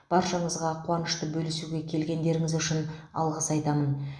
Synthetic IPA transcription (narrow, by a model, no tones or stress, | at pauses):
b̥ɑɾʃɑɴəzʁɑqʰuɑnəʃt̪əbɵlɪsuɡʲe̞kʲʰe̞lɡʲe̞nd̪e̞ɾɪŋɪzʏʃɪn | ɑ̰lˠʁəsɑjt̪ɑmən